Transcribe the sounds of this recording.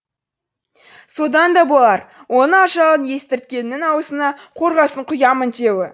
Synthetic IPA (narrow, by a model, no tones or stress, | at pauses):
so̞d̪ɑnd̪ɑbolˠɑɾwʔo̞nəɑʃɑʁənje̞st̪ɪɾt̪̚kʲe̞nːɪŋɑwəsənɑqʰo̞ɾʁɑsəɴqʰʊjɑmənt̪ʰe̞wɪ